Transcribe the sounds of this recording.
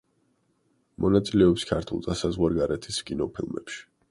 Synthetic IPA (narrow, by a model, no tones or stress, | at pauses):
mɔnat̪sʼilɛɔpskʰaɾt̪ʰṵlˠzasazʁwaɾɡaɾɛt̪ʰiskʼinɔpʰilˠmɛ̰pʃi̥